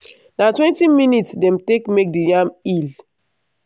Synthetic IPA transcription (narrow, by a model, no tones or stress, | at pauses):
natwɛ̃ntiminitsdɛ̃mtekmek̚dijamil